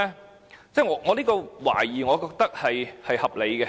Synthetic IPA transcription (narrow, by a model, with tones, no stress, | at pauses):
t͡sɛː˥˩ŋɔː˨˧ŋɔː˨˧liː˥kɔː˧wa̰ː˨˩jiː˨˩ŋɔː˨˧kɔː˧k̚t̪ɐ˥k̚hɐ˨jhɐ˨jhɐ˨p̚le˨˧jkɛ˧